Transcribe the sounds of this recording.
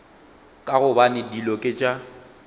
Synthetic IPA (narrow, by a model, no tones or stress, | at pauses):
kʼaɣʊbanɪdilɔkʼɪt͡ʃʼa